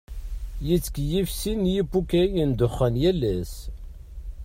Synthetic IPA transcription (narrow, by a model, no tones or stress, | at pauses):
jit͡sːə̥kjifsinjibukæjənd̪ʊχːənjælːæs